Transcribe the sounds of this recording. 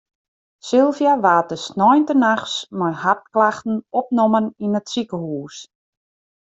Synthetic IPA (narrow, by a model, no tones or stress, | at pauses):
sɪlˠvjaʋaːt̚əsnɔjntənaxsmajhatklaxtn̩ɔp̚noməninətsikəhuːs